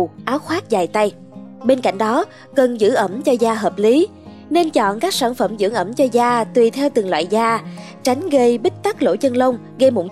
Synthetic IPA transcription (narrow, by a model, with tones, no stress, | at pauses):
ʔaː˨˦wxwaː˦˥t̚zaː˨˩jt̪a˧j | ɓe˧nka̰˧˨jŋ̟ɗɔ˨˦ | kə˨˩nzɨ̰˧˥ʔə˧˩mt͡ɕɔ˧zaː˧ɦəː˨˩p̚li˨˦ | ne˧nt͡ɕɔ̰˧˨nkaː˦˥k̚saː˧˩nfə˧˩mzɨ̰˧˥əŋʔə˧˩mt͡ɕɔ˧zaː˧t̪wi˨˩t̪ʰɛ˧wt̪ɨ˨˩ŋlwa̰ː˧˨jzaː˧ | t͡ɕa˨˦jŋ̟ɣə˧jɓi˦˥k̟̚t̪a˦˥k̚lo̰˧˥t͡ɕə˧nlə˧wŋ͡m | ɣə˧mo˧˩